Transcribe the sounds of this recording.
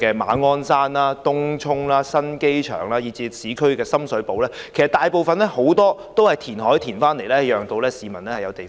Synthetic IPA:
kɛː˧ma̰ː˨˥nŋɔː˥nsaː˥nlaː˥t̪ʊ˥ŋt͡ʃʰʊ˥ŋlaː˦˥sɐ˥nke˥jt͡ʃʰœ̰ː˨˩ŋlaː˥jiː˨˧t͡siː˨˧siː˨˥kʰɵ˥ɥkɛː˧sɐ˥msɵ˨˥po˨˥wlɛː˥kʰe˨˩jsɐ˩t̪aː˨jpo˨wfɐ˨nlɛ˥ho˨˥wt̪ɔː˥t̪o˥whɐ˨jt̪ʰiː˨˩nɦɔː˨˥jt̪ʰiː˨˩nfaː˥nle˨˩jlɛː˥˨jœː˨˩ŋt̪o˨˧wlɛː˥siː˨˧mɐ˨˩nlɛ˥hɐ˨jɐ˨˧wt̪e˨

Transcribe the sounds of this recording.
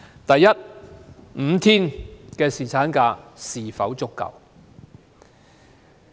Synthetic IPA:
t̪ɐ˨jːɐ˥t̚ | m̩˨˧t̪ʰiː˥nkɛː˧siː˨t͡sʰaː˨˥nkaː˧siː˨˩fɐ˨˥wt͡sʊ˥kːɐ̰˨˩w

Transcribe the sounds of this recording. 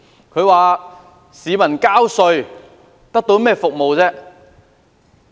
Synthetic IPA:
kʰɵ˨˧ɥwaː˨ | siː˨˧mɐ˨˩nkaː˥wsɵ˧ɥ | t̪ɐ˥k̚t̪o˨˥wmɛː˥fʊ˨k̚mo˨wt͡sɛː˥

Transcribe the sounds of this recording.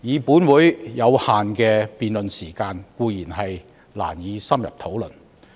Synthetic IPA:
jiː˨˧puː˨˥nwuː˨˥jjɐ˨˧whaː˨nkɛː˧piː˨nlɵ˨nsiː˨˩kaː˧nkuː˧jiː˨˩nɦɐ˨j | la̰ː˨˩njiː˨˧sɐ˥mjɐ̰˨p̚t̪ʰo˨˥wlɵ˨˩n

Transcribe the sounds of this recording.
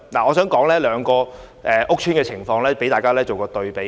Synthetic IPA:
laː˨˩ŋɔː˨˧sœː˨˥ŋkɔː˨˥ŋlɛː˥lœː˨˧ŋkɔː˧ | ʔɛː˨ʔʊ˥k̚t͡ʃʰyː˥nkɛː˧t͡sʰɪ˨˩ŋfɔː˧ŋlɛː˥pe˨˥jt̪aː˨jkaː˥lɛː˥t͡so˨wkɔː˧t̪ɵ˧ɥpe˨

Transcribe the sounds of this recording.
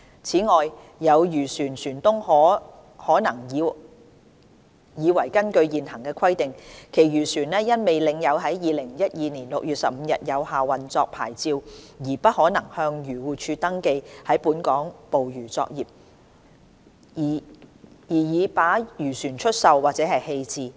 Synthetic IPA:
t͡sʰiː˨˥ŋɔː˨j | jɐ˨˧wjyː˨˩syː˨˩nsyː˨˩nt̪ʊ˥ŋhɔː˨˥ | hɔː˨˥nɐ˨˩ŋː˨˧ | jiː˨˧wɐ˨˩jkɐ˥nkɵ˧ɥjiː˨nɦɐ˨˩ŋkɛː˧kʰɐ˥jt̪ɪ˨ŋkʰe˨˩jjyː˨˩syː˨˩nlɛː˥jɐ˥nme˨jlɪ˨ŋjɐ˨˧wɦɐ˨˥jjiː˨lɪ˨˩ŋjɐ˥t̚jiː˨˧niː˨˩nlʊ˨k̚jyː˨t̚sɐ˨p̚m̩˨˧jɐ̰˨t̚jɐ˨˧wɦaː˨wɐ˨nt͡sɔː˧k̚pʰa̰ː˨˩jt͡siː˧wjiː˨˩pɐ˥t̚hɔː˨˥nɐ˨˩ŋhœː˧ŋjyː˨˩wuː˨˩t͡ʃʰyː˧t̪ɐ˥ŋke˧jhɐ˨˥jpuː˨˥nkɔː˨˥ŋpo˨wjyː˨˩t͡sɔ̰ː˧k̚jiː˨p̚ | jiː˨˩jiː˨˧paː˨˥jyː˨˩syː˨˩nt͡ʃʰɵ˥t̚sɐ˨wwːaː˨t͡sɛː˨˥ɦɐ˨jhe˧jt͡siː˨˧

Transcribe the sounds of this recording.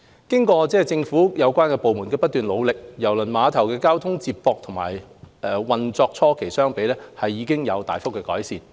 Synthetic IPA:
kɪ˥ŋkɔː˧t͡sɛː˥˨t͡sɪ˧ŋfuː˨˥jɐ˨˧wkʷaː˥nkɛː˧po˨wmuː˨˩nkɛː˧pɐ˥t̪̚ːyː˨nlo˨˧wlɪ˨k̚jɐ˨˩wlɵ˨˩nmaː˨˧t̪ʰɐ˨˩wkɛː˧kaː˥wt̪ʰʊ˥ŋt͡siː˧p̚pɔː˧k̚t̪ʰʊ˨˩ŋma̰ː˨˩jɛː˨wɐ˨nt͡sɔː˧k̚t͡sʰɔː˥kʰe˨˩jsœː˥ŋpe˨˧jlɛː˥hɐ˨jːiː˨˧kɪ˥ŋjɐ˨˧wt̪a̰ː˨jfʊ˥kːɛː˧kɔː˨˥jsiː˨˩n

